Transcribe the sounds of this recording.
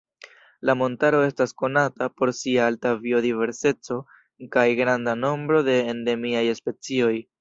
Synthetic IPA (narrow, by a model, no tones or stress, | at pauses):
lamo̞ntaɾo̞e̞stasko̞natapo̞ɾsiaaltavio̞dive̞ɾse̞t͡so̞ | kajɡɾandano̞mbɾo̞de̞ːnde̞miajespe̞t͡sio̞j